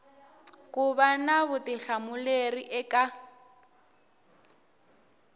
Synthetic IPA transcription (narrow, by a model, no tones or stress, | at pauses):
kʼʊbanabʊtʼɪɬamʊleriʔɛkʼa